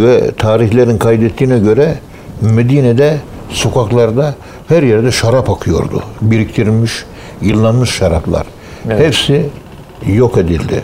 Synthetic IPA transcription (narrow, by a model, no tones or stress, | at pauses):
væ̰t̪ʰɑːɾihleɾd̪ɪŋqʰɑjd̪et̪ːinɛkʲʰøɾɛ | mæd̪ined̪ɛ | sokʰɑqlˠɑɾd̪ɑ | hæɾjeɾd̪ɛʃɑɾɑpɑqʰɯjo̰ɾd̪ʊ̰biɾik̚t̪ʰiɾmɪʃ | jɯlˠːɑnmɯʃʃɑɾɑplˠɑ̰ɾ | hepsɪ | joqed̪ɪld̪ɪ̰